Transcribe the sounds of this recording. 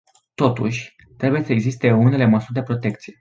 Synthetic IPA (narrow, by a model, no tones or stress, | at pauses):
t̪o̞t̪uʃʲ | t̪ɾe̞buje̞səeɡzist̪e̞une̞le̞məsurd̪e̞pɾo̞t̪e̞k̚t̪sije̞